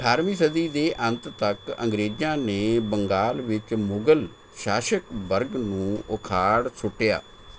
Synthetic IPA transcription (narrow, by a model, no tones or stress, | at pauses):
ʈʰaːɾmiːsəd̪iːd̪eːʔə̃nt̪t̪əkə̰̃ŋɡɾeːd͡ʒãːneːbəŋɡaːlʋɪt͡ʃmʊɡəl | ʃaːʃəkbəɾɡnũːʔʊkʰaːɽsʊʈːeja̰ː